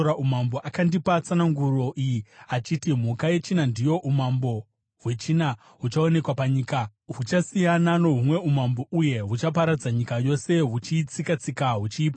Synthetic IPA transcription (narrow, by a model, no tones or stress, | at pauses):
ɾaumambo̞ʔakandipat͡sanaŋɡuro̞ʔijiat͡ʃitim̤ukaje̞t͡ʃinandijo̞ʔumambo̞ | ɦwe̞t͡ʃina | ɦut͡ʃao̞ne̞kwapaɲiːkaɦut͡ʃasijanano̞ɦumwe̞umambo̞uje̞ɦut͡ʃap̬aɾad͡zaɲikajo̞se̞ɦut͡ʃit͡sikat͡sikaɦut͡ʃiːpa